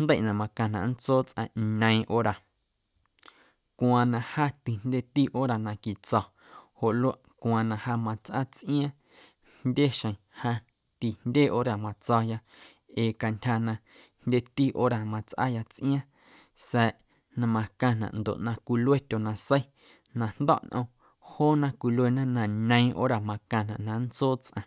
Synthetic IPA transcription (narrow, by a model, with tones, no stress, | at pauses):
nd̪ə˦˨ʔnã˧mã˧kã˧nã̰˨n̩˦t͡soː˦t͡sʔã̰˧nə̃˧ĩ˧ʔo˦ɾa˨ | kʷã˧nã˧ha˦t̪i˨n̥nd̪ʲe˦t̪i˦ʔo˦ɾa˨nã˧ki˨t͡sɔ˧ | ho˨ʔlwa˦ʔkʷã˧nã˧haː˧mã˧t͡sʔa̰˦t͡sʔĩ˦ã˦ | ndʲe˦ʃə̃˧˨ĩ˨ha˧ | t̪i˧ndʲe˦ʔo˦ɾa˨mã˨t͡sɔ˧ja˧ | eː˨ka˧ntʲha˧nã˧ | ndʲe˦t̪iː˦ʔo̰˦ɾa˨mã˧t͡sʔa̰˦ja˧t͡sʔj̃ã˦ | sɛ˧ʔ | nã˧mã˧kã˧nã̰˨ʔnd̪o̰˨ʔnã˧kʷi˧lwe˦t̪ʲo˨nã˧sə˦j | nã˧n̥d̪ɔ̰˦˨ʔnʔə̃˧ | hoː˦nã˦kʷi˧lwe˧nã˦nã˧ɲə̃˧ĩ˦ʔo̰ː˦ɾa˨mã˧kã˧nã̰˨ʔnã˧nt͡soː˦t͡sʔã̰˧